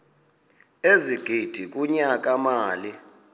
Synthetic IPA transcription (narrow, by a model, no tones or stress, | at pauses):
eziɡ̥ʱid̥ʱik̬ʼuɲak̬ʼamaːli